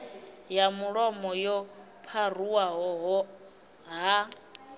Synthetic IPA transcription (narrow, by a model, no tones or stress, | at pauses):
jamuɺɔmɔjɔ | pʰaruwaɦɔɦɔ | ɦa